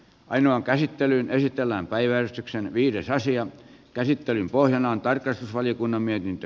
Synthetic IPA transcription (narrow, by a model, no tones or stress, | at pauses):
ʔɑinoɑŋkæsit̪ːelynesit̪elːæːmpæiʋæˑrest̪yksenʋiːɾesɑsiɑkæsit̪ːelympohjɑnɑːnt̪ɑrkːˑɑst̪usʋɑlijokunːɑmmiet̪int̪ø